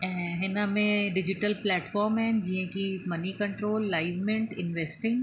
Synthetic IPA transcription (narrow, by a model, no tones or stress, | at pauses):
ɦɪnãmẽɖɪd͡ʒɪʈəlplɛːʈfɔːɾmɦɛ̃d͡ʒiẽkimɐnikɐ̃ɳʈɾoːlːaːɪʋmɪ̃ɳʈɪ̃nʋeːsʈɪ̃ŋɡ